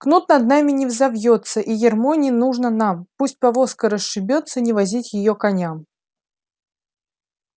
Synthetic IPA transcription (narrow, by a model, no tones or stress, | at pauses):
knut̪nɐd̪namʲɪnʲɪvzɐvjot̪səʔijʲɪrmonʲɪnuʐnənampusʲt̚ʲpɐvo̞skəɾəsʂɨbʲot̪sːənʲɪvɐzʲitʲjɪjokɐnʲam